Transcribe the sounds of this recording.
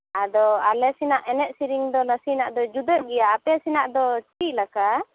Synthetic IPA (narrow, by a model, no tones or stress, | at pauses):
ad̪ɔalɛsinaʔɛnɛʔ̪̚siɾiŋd̪ɔnasinaʔd̪ɔd͡ʒud̪əʔ̚ɡɛjaːpɛsinaʔd̪ɔt͡ʃiʔlaka